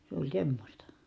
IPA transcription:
se olʲ semːosʲtɑ

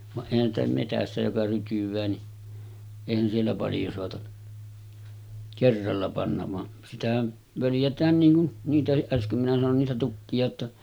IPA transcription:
ʋɑʔ ʔeˑihæn stæ metæsːæ jokɑ rytyʋˑæː ni eˑihæn sielːæ pɑljo soɑtɑ kerːɑlːɑ pɑnːɑʋ ʋɑn sitæhæn ʋøljætˑæːn niːŋ kun niːtæhiʔ ʔæskøm minæ sɑnon niːtæ tukːiɑ tːɑ

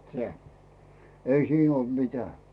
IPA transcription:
seæ ei siːn ol mitæˑ

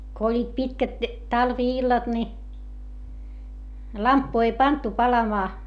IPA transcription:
ko olʲːiːt pitkæt tɑlʋiilːɑt ni lɑmpːu ei pɑntu pɑlɑmɑː

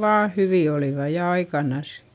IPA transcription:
ʋɑː hyʋiˑ oliˑʋɑ jɑ ɑikɑnɑs

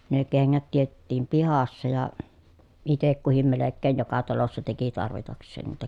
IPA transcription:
ne keŋːæt tietetːiːm pihɑsːɑ jɑ itek kuhim melekːeːn jokɑ tɑlosːɑ teki tɑrʋitɑksˑeːn niːtæ

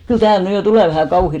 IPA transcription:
kyl tæːl ny jo tuleˑ ʋæhæˑ kɑuhi

